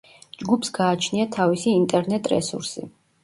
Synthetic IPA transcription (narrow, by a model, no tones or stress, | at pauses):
d͡ʒɡupʰsɡaːt͡ʃʰniat̪ʰavisiːnt̪ʼɛɾnɛt̪ʼɾɛ̰sṵɾsḭ